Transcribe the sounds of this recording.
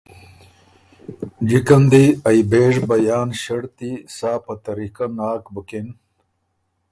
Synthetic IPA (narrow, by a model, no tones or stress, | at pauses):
d͡ʑikɐnd̪iɐjbeːʐbɐjaːnɕɐɽt̪isaːpɐt̪ɐɾikɐnaːkbukin